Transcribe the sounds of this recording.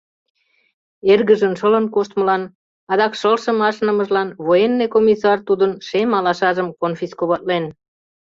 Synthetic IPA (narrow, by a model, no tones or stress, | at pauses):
erɣəʒənʃələnkoʃt̪̚məlɑn | ɑd̪ɑkʃəlʃə̆mɑʃnə̆mə̆ʒlɑnβojenːekomʲisɑrt̪ud̪ənʃemɑlɑʃɑʒəmkonfiskoβɑt̪̚len